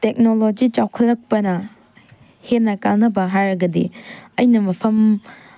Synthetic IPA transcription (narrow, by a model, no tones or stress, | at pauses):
tek̚nolod͡ʒit͡ʃawkʰɐlːɐk̚pɐnɐ | henːɐkaŋnɐbɐɦajɾɐɡɐdḭɐjnɐmɐpʰɐm